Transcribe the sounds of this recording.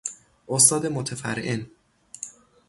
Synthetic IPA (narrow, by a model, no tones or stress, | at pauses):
ʔost̪ɒːd̪e̞mot̪ʰæfæ̰ɾʔen